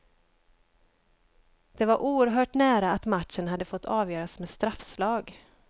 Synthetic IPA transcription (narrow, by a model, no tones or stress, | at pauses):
d̪̥ɛvaɾʔuːəɾɦœːʈnæːɾaat̪maʈʂənɦad̪ːəfɔt̪ʰːɑːvjœːɾasmeːd̪st̪ɾafslɑːɡ